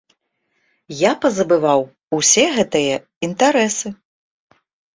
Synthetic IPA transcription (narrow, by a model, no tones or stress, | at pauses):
japɐzɐbɨvaw | usʲɛɣɛt̪ɨjɐ | int̪aɾɛsɨ